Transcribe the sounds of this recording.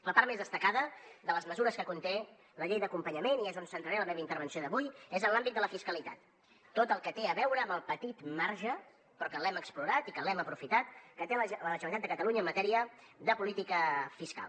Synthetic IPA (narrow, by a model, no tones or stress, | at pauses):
ləpaɾt̪mezðəst̪əkaðəðələzməzuɾəskəkunt̪e | ləʎejðəkumpəɲəmeniezunsənt̪ɾəɾeləmɛβəint̪əɾβ̞ənsioðəβujezənlambid̪d̪ələfiskəlit̪at̪ː | ot̪əlˠkət̪eəβɛwɾəːməlˠpət̪it̪maɾʒə | pɾɔkəlɛməkspluɾat̪ikəlɛməpɾufit̪at̪̚kət̪ellələʒəməit̪at̪əkət̪əluɲəːmːət̪ɛɾiə | ðəpulit̪ikəfiska̰lˠ